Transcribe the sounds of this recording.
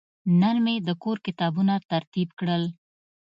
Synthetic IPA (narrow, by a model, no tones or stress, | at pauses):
naɾmed̪əkoɾkɪt̪ɑbunat̪aɾt̪ibkɽəl